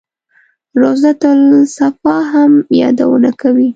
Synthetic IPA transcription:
ɾozat̪əlsafɑɦamjɑ̰d̪a̰wə̰nakawi

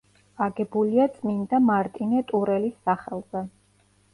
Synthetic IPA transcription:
aɡɛbuliat̪sʼmind̪amaɾt̪ʼinɛt̪ʼuɾɛlisːaχɛlˠz̥ɛ

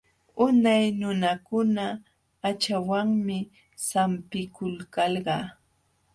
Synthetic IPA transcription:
ʊnajnʊnakʊnaː | t͡ʃawaŋmɪ | sampɪkʊlkɑlɢɑː

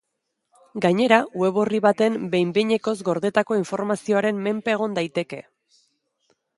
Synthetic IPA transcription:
ɡaɲe̞ɾauwe̞β̞o̞riβat̪e̞mbe̞jmbeɲe̞ko̞zɡo̞ɾðe̞t̪ako̞iɱfo̞ɾmasio̞aɾe̞mme̞mpe̞ːɣ̞o̞nd̪ajt̪e̞ke̞̰

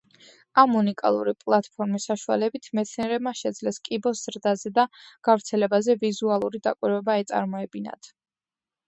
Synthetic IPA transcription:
amːunikʼa̰lˠṵɾipʼlˠat̪ʰʼpʰɔɾmisːaʃua̰lɛbit̪ʰmɛt̪sʰniɛɾɛbmaʃɛd̪zlɛskʼibɔsz̥ɾd̪azɛd̪aɡ̥avɾt̪sʰɛlɛbazɛvizualˠuɾid̪a̰kʼwiɾwɛbaɛt̪sʼa̰ɾmɔɛbina̰d̪̥ʰ

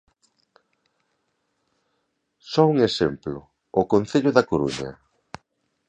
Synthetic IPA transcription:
sɔuŋesemplʊ̰ː | konθeʎʊðɐkoɾṵɲɐ̰

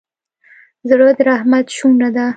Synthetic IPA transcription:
zɽəd̪ɾahmat̪ʃuɾad̪a

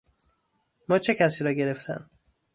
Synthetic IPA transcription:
mɒːt͡ʃʰe̞cʰæsiːɾɒːɟe̞ɾe̞ft̪ʰæ̰n

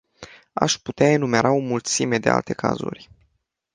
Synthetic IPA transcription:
a̰ʃput̪eae̞nume̞ɾʔao̞mult̪sime̞d̪e̞a̰lt̪e̞kʰa̰zṵrʲ

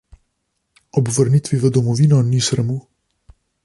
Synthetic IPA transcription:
ɔbvəɾnit̪ʋivəd̪ɔmɔvinɔnisɾəmu

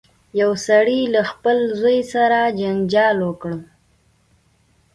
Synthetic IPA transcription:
jawsaɽilaxpəlzojsaɾad͡ʒand͡ʒɑlwəkɽ

